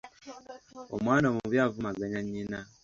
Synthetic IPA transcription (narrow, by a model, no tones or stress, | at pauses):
o̰mwaːnaomuβjaːvumaɡaɲaɲːina